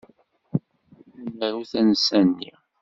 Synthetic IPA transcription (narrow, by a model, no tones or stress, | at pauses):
nːəɾuθænəsænːi